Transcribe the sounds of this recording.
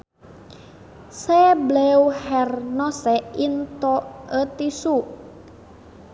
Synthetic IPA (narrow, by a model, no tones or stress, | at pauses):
sɛblɛwhɛrnɔsɛint̪oət̪isu